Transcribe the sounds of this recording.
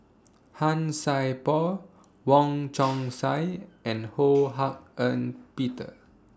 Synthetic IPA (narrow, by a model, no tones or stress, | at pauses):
hãnsajpɔ | wɔ̃ŋt͡ʃɔ̃ŋsajʔɛ̃nhoɦak̚ə̃npitə̰